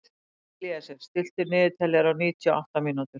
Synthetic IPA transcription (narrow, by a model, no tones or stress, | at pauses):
liːasɛɾ̥st̪ɪl̥t̪ʏɾnɪːðɪt̪ʰɛlːjaɾawniːt̪ʰiɔa̰wht̪amiːnut̪ʏɾ̥